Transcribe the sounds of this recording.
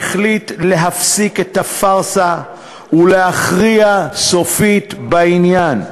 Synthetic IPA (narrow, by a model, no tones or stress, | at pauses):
χlitleɦafsiketafaʁsa | uleaχʁiasofit̪bainjan